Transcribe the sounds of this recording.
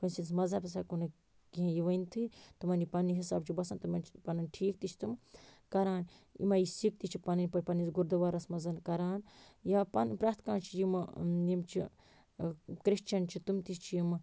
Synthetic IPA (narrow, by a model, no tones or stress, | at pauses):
kɐnʲsinsmɐzɐpɐs̬aːkunɨ | kiɦẽjiʋɐjnt̪ʰit̪umɐnipɐniɦisa̰ːb̚t͡ʃʰibɐsɐnt̪umɐnt͡ʃʰpɐnɐnʲʈʰiːk̚t̪it͡ʃʰt̪umkɐɾaːn | ḭmɐjisik̚t̪it͡ʃʰipɐnɐnʲpɐpɐninsɡuɾd̪ɐʋaːɾɐsmɐzɐnkɐɾaːnjaːpɐnpɾaːt̪ʰkaːnt͡ʃʰijimjimt͡ʃʰḭ | kɾiʃt͡ʃɐnt͡ʃʰit̪umt̪ist͡ʃʰijim